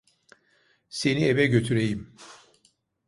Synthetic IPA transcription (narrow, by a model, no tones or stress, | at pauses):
se̞nievɛɟø̞t̪ʰyɾejim